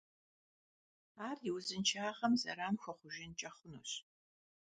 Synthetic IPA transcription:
aːrjɪwzɨnt͡ʃʰaːʁɐmzɐ̰ɾaːnxʷɐχʷʊʒɪnt͡ʃʼɐχʷʊnṵːɕ

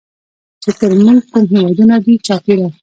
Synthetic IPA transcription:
t͡ʃet̪əɾmuŋɡ̚kumɦewɑd̪unad̪it͡ʃɑpiɽa

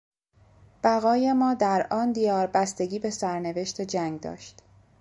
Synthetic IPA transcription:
b̥æɣɒːjemɒːd̪æɾʔɒːnd̪ijɒːɾbæst̪e̞ɡʲiːbe̞sæɾne̞ve̞ʃt̪ʰe̞d͡ʒæŋɡd̪ɒ̰ːʃt̪

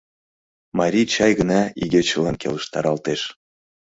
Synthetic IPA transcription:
mɑɾʲit͡ɕɑjɣə̆nɑḭɡet͡ɕɤlˠɑnkʲʰḛləʃt̪ɑ̰ɾɑlˠt̪eʃ

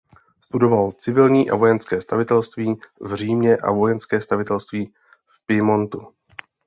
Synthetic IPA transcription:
st̪udo̞valt͡sɪvɪlɲiːʔa̰vo̞jɛnskɛːst̪avɪt̪ɛlst̪viːvr̝iːmɲɛʔa̰vo̞jɛnskɛːst̪avɪt̪ɛlst̪viː | fpɪmo̞nt̪u

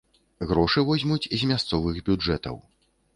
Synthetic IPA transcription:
ɣɾɔʂɨvɔzʲmut͡sʲizʲmʲast̪sɔvɨɣbʲud͡ʐɛt̪ɐ̰w

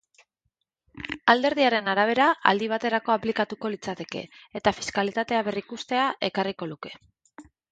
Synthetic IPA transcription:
ald̪e̞ɾð̞iaɾe̞naɾaβ̞e̞ɾaʔa̰ld̪iβ̞at̪e̞ɾako̞aplikat̪uko̞lit͡sat̪e̞ke̞̰ːt̪afi̥skalit̪at̪e̞aβe̞rikust̪e̞aʔe̞kariko̞luke̞̥

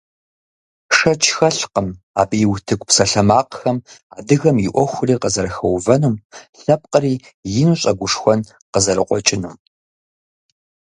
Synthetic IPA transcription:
ʂɐt͡ʃʰxɐɬqəm | aːbijwtʰɨkʷʼpsɐɬɐmaːqxɐmaːdɨɣɐmjɪʔʷɔxʷʊriːqəzɐɾɐxɐwvɐnuːmɬɐp̚qʼəriː | jɪnuːɕʼɐɡʷʊʂxʷɔn | qəzɐɾɨqʷʼɔt͡ʃʼɪnuːm

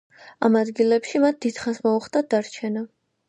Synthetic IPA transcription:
amad̪ɡilɛpʃimat̪̚ʰd̪̥id̪̥χasmɔuχt̪ʼad̪aɾt͡ʃʰɛna

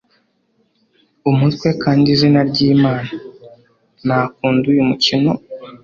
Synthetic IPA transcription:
umutkwe̞kʰaːndizinaɾɟiːmaːna | naːk̚uːndujumucino̞

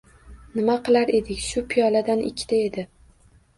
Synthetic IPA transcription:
nɪmaqɨlˠaɾe̞d̪ɪkʲʃʊpʰijɒlad̪anʔɪ̰kʲʰːɪ̥t̪ʰae̞d̪ɪ

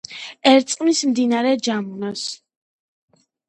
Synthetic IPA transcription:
ɛɾt̪sʼqʼmismd̪inaɾɛd͡ʒamunas

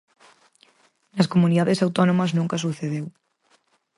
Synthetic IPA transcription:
nɐskomuniðaðesawt̪ɔnomɐznũŋkɐsuθeðew

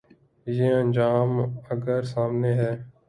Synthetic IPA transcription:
jeːənd͡ʒaːməɡəɾsaːmneːɦɛː

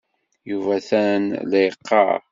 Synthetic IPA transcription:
juvæθænlæjəqːɑ̰ɾ

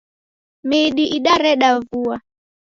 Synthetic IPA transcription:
miɗiʔiɗaɾɛɗavua

